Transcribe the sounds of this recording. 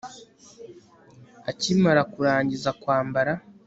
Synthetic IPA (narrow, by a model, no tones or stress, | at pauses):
acimaɾakuɾaːɲɟizakwaːmbaɾa